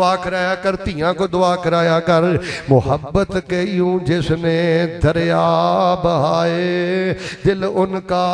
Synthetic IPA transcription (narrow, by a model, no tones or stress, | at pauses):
aːkəɾaːjaːkəɾt̪ijãːkoːd̪ʊaːkəɾaːjaːkəɾmʊhəbːət̪kɐiːũːd͡ʒɪsneːd̪ʱəɾjaːbəɦaːe | d̪ɪlʊnkaː